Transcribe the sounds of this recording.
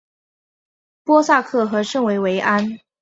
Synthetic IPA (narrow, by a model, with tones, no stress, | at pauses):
pwɔ˥sa˥˧kʰɤ˥˩xɤ˧˥ʂɤ˥˩ŋwe˧˥ɪwe˧˥ɪʔa˥n